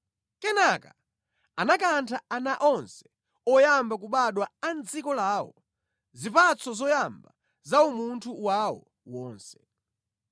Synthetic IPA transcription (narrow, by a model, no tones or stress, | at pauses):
kɛnaka̰ | anakantʰaanaʔɔnsɛ̥ | ɔjambak̬uɓaɗwaand͡zikɔlaːwɔ̰ | zipat͡sʰɔzɔjamba | zaumuntʰuwawɔ̰ | wɔːnsɛ̥